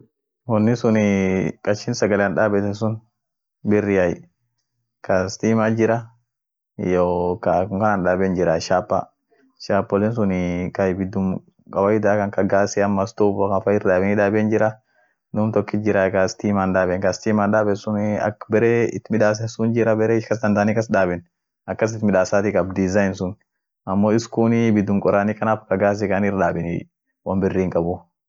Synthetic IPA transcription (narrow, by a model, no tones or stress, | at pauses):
wɔnːɪsʊnɪkʼɐʃɪnsɐɡɐlɛanᶑaːbɛt̪ɛnsʊn | bɪrːɪaj | kʰast̪iːmad͡ʒɪɾa | jokakʊŋkɐnanᶑaːbɛnd͡ʒɪɾaʃaːpːa̰ | ʃaːpːɔlɛns̬ʊnkajbɪd̪ʊm | kʼɐwajɪd̪aːkɐŋkɐɡaːsɛɐmːɐst̪ubɔkafajɪɾdaːbɛnɪᶑaːbɛnd͡ʒɪɾa | nʊːmt̪ɔkːɪd͡ʒɪɾaɡast̪iːmand̪aːbɛŋkɐst̪iːmaːnd̪aːbɛsʊnɐ̰kbɛɾeːɪt̪mɪᶑaːs̬ɛsʊnd͡ʒɪɾɐbɛɾɛːɪʃkɐs̬d̪ɐnd̪aːnikɐsdaːbɛn | ɐkːɐs̬ɪt̪mɪᶑaːsaːt̪ikʼɐbd̪ɪzajnsʊn | ʔɐmːoːɪskuːnbɪd̪ːʊmkʼɔɾaːniːkɐnaːfkɐɡaːs̬ɛkɐnɪɾdaːbɛn | wɐmbɪrːiːŋkʼɐbʊ